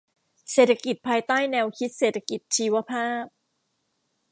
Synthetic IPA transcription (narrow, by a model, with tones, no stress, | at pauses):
seː˨˩t̪ʰːa˧ki˨˩t̪̚pʰaː˧jt̪aː˥˩jnɛː˧wkʰi˦˥t̪̚seː˨˩t̪ʰa˧ki˨˩t̪̚t͡ɕʰiː˧wa˧˥pʰaː˥˩p̚